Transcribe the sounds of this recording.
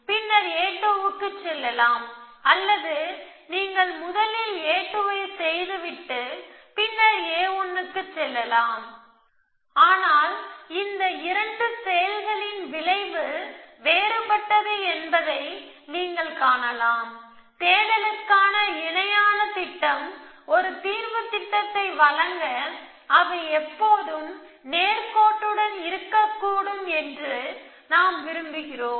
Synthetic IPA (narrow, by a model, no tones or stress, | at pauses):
pɪnːɐɾeːʈːoːʋɯkːɯt͡ʃːɛlːɐlaːmɐlːɐðɯ | niːŋɡɐɭmʊðɐlɪleːʈːɯʋɐɪsɛjðɯʋɪʈːɯpɪnːɐɾeːɔnːɯkːɯt͡ʃːɛlːɐlaːm | aːnaːlɪnd̪ɐɪɾɐɳɖɯsɛjɐlɣɐɭɪnʋɪɭɐɪʋɯʋeːɾɯpɐʈːɐðɯɛnbɐðɐɪniːŋɡɐɭkaːɳɐlaːm | t̪eːlɐlɐkaːnɐɪɳɐjaːnɐt̪ɪʈːɐmɔɾɯt̪iːɾʋɯt̪ːɪʈːɐt̪ːɐɪʋɐɭɐŋɡɐ | ɐʋɐɪɛpːoːðɯm | neːɾkoːʈːɯɽɐnɪɾɯkːɐkːuːɽɯmɛndrɯ | naːmʋɪɾɯmbɯɣɪroːm